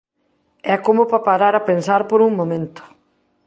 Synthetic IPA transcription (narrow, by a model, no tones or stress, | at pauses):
ɛkomʊpapaɾaɾapensaɾpoɾuŋmomẽnt̪ʊ̥